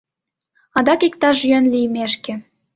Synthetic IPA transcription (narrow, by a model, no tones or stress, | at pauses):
ɑd̪ɑkikt̪ɑʃjønlijmeʃkĕ